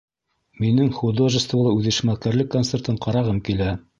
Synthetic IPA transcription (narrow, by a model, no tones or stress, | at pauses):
minɘŋχud̪oʒɘ̆st̪vulˠɤʉðɘ̆ʃmælˠkæɾlɘkːonsert̪ɤɴqɑɾɑʁɤmkilæ